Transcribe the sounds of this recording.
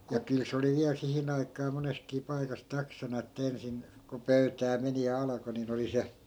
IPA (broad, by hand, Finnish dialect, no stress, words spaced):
jɑ kyl se oli ʋiæl sihin ɑikɑː moneskiː pɑikɑs tɑksɑnɑ etːæ ensin ko pøytæː meni jɑ ɑlɑko nin oli se